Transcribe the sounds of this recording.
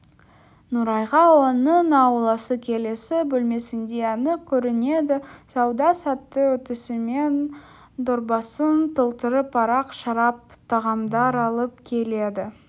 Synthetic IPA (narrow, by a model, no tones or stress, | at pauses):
nuɾɑjʁɑwo̞nənɑwlˠɑsəkʲʰe̞le̞sɪbɵlme̞sɪnd̪eɑnəkʲʰɵɾɪne̞d̪ɪsɑwd̪ɑsɑt̪ːəwɵt̪ɪsɪme̞n | d̪ʊɾbɑsənt̪ʰəlˠt̪əɾəpʰːɑɾɑqʃɑɾɑp̚t̪ʰɑʁɑmd̪ɑɾɑlˠəp̚kʲʰe̞le̞d̪ɪ